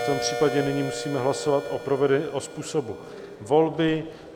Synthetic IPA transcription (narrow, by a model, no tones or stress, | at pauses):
t̪ompr̝̥iːpaɟɛnɪɲiːmusiːmɛɦlaso̞vat̪ʔopɾovɛdɛʔospuːso̞bu | vo̞lbɪ